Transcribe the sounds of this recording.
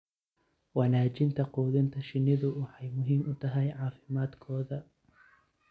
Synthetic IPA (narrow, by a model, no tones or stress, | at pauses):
wɐnaːt͡ʃɪnt̪ʰɐquːðɪnt̪ʰɐʃɪnːɪðʊwɑħɑjmʊɦiːmʊt̪ʰɐɦɛjʕɑːfɪmaːd̪kʰɔːðɐ